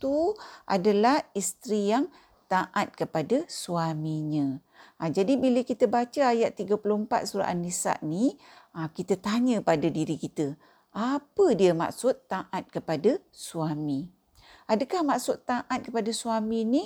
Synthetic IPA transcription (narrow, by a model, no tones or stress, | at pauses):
t̪uʔa̰dalahist̪ɾijaŋ | t̪aʔat̪̚kəpadasuamiɲə̃ | ad͡ʒadibiləkit̪əbat͡ʃəajat̪ːiɡəpulʊhmpa̰t̪̚suɾa̰ʔanisa̰ʔni | akit̪ət̪aɲə̃padadiɾikit̪ə | apədiəma̰ksʊt̪ːaʔat̪̚kəpada | suami | ʔadəkahmaʔsʊt̪ːaʔat̪̚kəpadasuamini